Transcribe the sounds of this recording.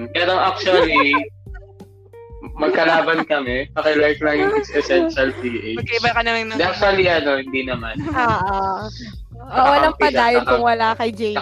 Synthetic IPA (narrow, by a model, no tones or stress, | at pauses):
pɛːɾoʔak̚t͡ʃuɐli | mɐɡ̚kɐlaːbɐnkɐmɛbɐkɛlajflajɪnɪsɛsɛnʃɐld̪iːʔejɐɡkɐɪbɐkɐnɐmɐŋnɐd̪ɛak̚t͡ʃuɐliʔɐno̞hɪnd̪inɐmanʔoːʔa | ʔowɐlaŋpɐd̪aːjonkʊŋwɐlakɐjd͡ʒej